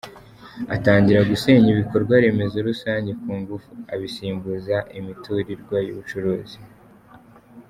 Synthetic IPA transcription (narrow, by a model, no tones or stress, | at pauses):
a̰taːɲɟiɾaɡuse̞ɲiβiko̞ɾɡwaɾe̞ːme̞zo̞ɾusaːɲɟe̞kuːŋɡufuaβisiːmbuzaʔimitʰuɾiɾɡwajṵβut͡ʃuɾoːzi